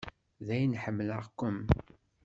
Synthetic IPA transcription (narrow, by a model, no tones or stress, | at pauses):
ðæjnħəmːləʁkʷːəm